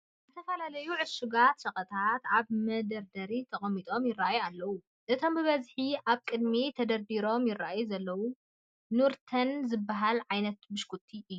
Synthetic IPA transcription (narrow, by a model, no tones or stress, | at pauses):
zɨt̪ʰɐfɐlalɐjuʕɨsuɡat̪sɐχʼɐt̪ʰat̪aβmɐd̪ɐɾd̪ɐɾit̪ʰɐχʼɐmːit̪ʼo̞mjɪrːajualːɐwu | ʔɨt̪ʰo̞mbɨβɐzħiʔaβkʼɨd̪mit̪ʰɐd̪ɐɾd̪iɾo̞mjɪraʔajuzɐlːɐwu | nuɾt̪ʰɐnzɨbːaɦalʕajnɐt̪bɨʃkʰʼut̪ʰːiʔɨjːu